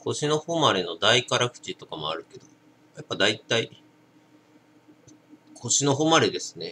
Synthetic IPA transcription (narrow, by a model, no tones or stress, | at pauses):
kʰo̞ɕino̞homaɾe̞no̞d̪aikaɾakɯ̟̥t͡ɕit̪o̞kamo̞a̰ɾɯ̟ke̞d̪o̞ | japːad̪ait̪ai | kʰo̞ɕino̞ɦoːmaɾe̞d̪e̞sɨ̥ne̞